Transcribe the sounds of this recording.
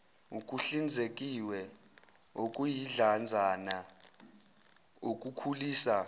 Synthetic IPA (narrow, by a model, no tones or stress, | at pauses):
ukʼuɬind͡zʱekʼiwɛ | okʼujiɮand͡zʱana | ok̬ʼukʰuliːsa